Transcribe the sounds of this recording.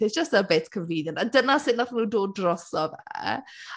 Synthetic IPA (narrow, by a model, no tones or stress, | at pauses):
e̥d͡ʒ̥əstəbetkʰənviːnjənadənasɪnaθnuːdoːdrɔsɔvɛ